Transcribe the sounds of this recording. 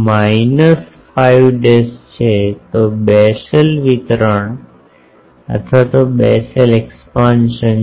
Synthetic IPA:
mainəs | fajʋɖest͡ʃʰet̪obɛsəlʋit̪ɾəɳ | ə̰t̪ʰʋat̪obɛsəlekspãnʃən

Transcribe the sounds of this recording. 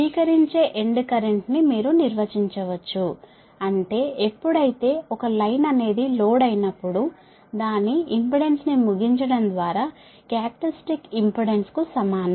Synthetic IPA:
sʋiːkɐɾiɲt͡ʃe̞ːʔeɳɖkɐɾe̞ɳʈnimiːɾuniɾʋɐt͡ʃiɲt͡ʃɐʋɐt͡ʃːu | ɐɳʈe̞ːepːuɽɐjit̪e̞ːɔkɐlɐjnɐne̞ːd̪iloːɽɐjnɐpːuɽu | d̪aːnːiːmpiɽe̞nsnimuɡiɲt͡ʃɐɽɐnd̪ʋaːɾaː | kjaːpʈɐsʈikimpuɽe̞nskusɐmaːnɐ

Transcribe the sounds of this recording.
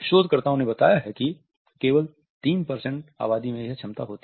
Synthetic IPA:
ʃoːd̪kɐɾt̪aõnẽbɐt̪aːjaɦɛki | keːʋəl | t̪iːnpɐɾsə̃ɳʈa̰ːβaːd̪imẽɦɛt͡ʃʰɐmt̪a̰ɦoːt̪i

